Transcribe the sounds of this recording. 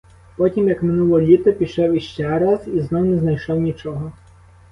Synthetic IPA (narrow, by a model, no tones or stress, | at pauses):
pɔtʲimjɐkmɪnulˠɔlʲit̪ɔpʲiʃɛwiʃt͡ʃɛɾaziznɔwnɛznɐjʃɔwnʲit͡ʃɔɦɔ